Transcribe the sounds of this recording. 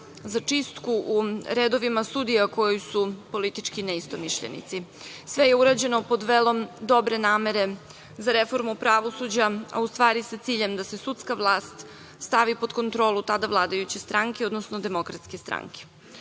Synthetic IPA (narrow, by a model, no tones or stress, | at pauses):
zat͡ʂist̪kuʔːɾed̪o̞ʋimasud̪ijako̞jusupo̞lit̪it͡ʂkineist̪o̞miʃʎḛnḭt̪si | sʋejeuɾad͡ʑe̞no̞po̞d̪ʋeːlˠo̞md̪o̞bɾe̞naːme̞ɾe̞ | zaɾefo̞ɾmupɾaʋosud͡ʑaa̰ust̪ʋaːɾisat̪siːʎe̞md̪asesut̪skaʋlˠaːst̪ | st̪aʋipod̪ko̞nt̪ɾo̞ːlˠut̪ad̪aʋlˠaːd̪ajut͡ɕest̪ɾaŋkeo̞d̪nosno̞d̪e̞mo̞kɾat̪skest̪ɾa̰ŋke̥